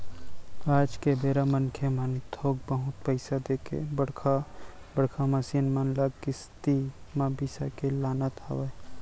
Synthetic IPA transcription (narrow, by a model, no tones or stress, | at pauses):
aːd͡ʒkebeːɾamənkʰemant̪ʰoːɡ̚bəɦʊt̪̚pəɪsad̪eːkʰḛbəɽkʰa | bəɽkʰamasinmanlaɡkist̪imabisa̰kelaːnət̪a̰ʋe